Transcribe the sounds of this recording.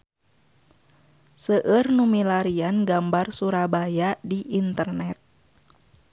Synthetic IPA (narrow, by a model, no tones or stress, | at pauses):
səʔərnumilaɾianɡambarsuɾabajadiʔint̪ərnɛt̪̚